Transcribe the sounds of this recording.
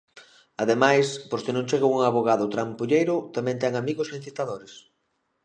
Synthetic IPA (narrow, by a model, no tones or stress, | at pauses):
aðemajsposkɪnõŋt͡ʃeɣouŋaβoɣaðʊt̪ɾampuʎejɾʊt̪amɛ̃nt̪ɛŋamiɣʊsĩnθit̪aðoɾɪs